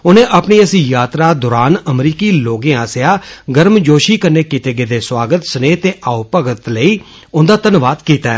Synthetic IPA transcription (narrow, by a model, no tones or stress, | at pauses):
ʊnẽːʔapɳiːəsĩːjaːt̪ɾaːd̪ʊːɾaːnəmɾiːkiːloːɡẽːaːsjaːɡəɾmd͡ʒoːʃiːkəɾneːkit̪eːɡeːd̪eːswaːɡət̪səneːt̪eːʔaːupəɡət̪ləiː | ʊnd̪aːt̪ənʋaːd̪kiːt̪aː